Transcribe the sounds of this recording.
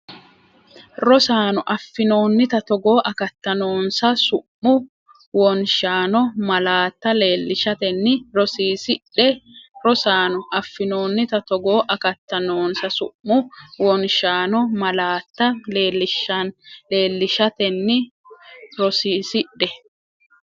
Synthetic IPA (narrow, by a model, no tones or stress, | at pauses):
ɾɔsaːnɔʔɐfːɪno̞ːnːɪt̪ɐt̪ɔɡoːʔɐkɐt̪ːɐnoːnsɐsʊʔːʊ | wɔnʃaːnɔmɐlaːt̪ːɐleːlːɪʃɐt̪ɛnːɪɾɔsiːsɪᶑɛɾɔsaːnʊʔɐfːɪnoːnːɪt̪ɐt̪ɔɡo̞ːʔɐkɐt̪ːɐnoːnsɐsʊːʊwɔnʃaːnɔmɐlaːt̪ːɐeːlɪʃɐnleːlːɪʃɐt̪ɛnːɪ | ɾɔsiːsɪᶑːɛ